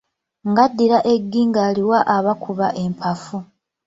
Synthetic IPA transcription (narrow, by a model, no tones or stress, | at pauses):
ŋɡadːiɾaʔe̞ɡːiːŋɡaːliwaʔaβakuβaʔe̞mpʰafu